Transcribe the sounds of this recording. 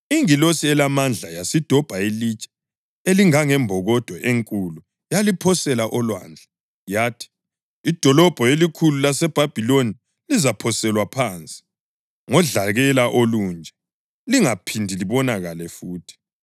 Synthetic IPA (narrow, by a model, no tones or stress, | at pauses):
iŋilosiɛlamand͡ɮʱajasid̥ʱɔb̥ʱailit͡ʃʼɛ̥ | eliŋaŋɛmbʱɔɣɔd̥ʱɔʔeŋkʼulu | jalipʰɔsɛlaʔɔlwa̰ːnd͡ɮʱɛ | jaːtʰi̥ː | d̥ʱɔlɔb̥ʱɔelikʰululasɛb̥ʱab̥ʱiloni | lizapʰɔsɛlwapʰaːnt͡sʼi̥ | ŋɔɮaɣɛlaʔoluːnd͡ʒʱɛ | liŋapʰindʱiliβɔnaɣalɛfuːtʰi̥